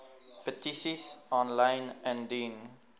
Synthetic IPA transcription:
pətisisɔ̃nlãjnɛ̃ndĩn

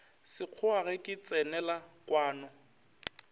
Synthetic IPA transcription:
sɪq͡χʰʊaɣɛkʼɪt͡sʼɛnɛlakʼwaːnɔ

